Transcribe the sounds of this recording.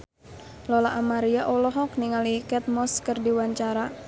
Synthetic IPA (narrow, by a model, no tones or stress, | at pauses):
lɔlaʔamaɾijaʔɔlɔɦɔk̚niŋalikɛt̪̚mɔskərdiwaɲt͡ʃaɾa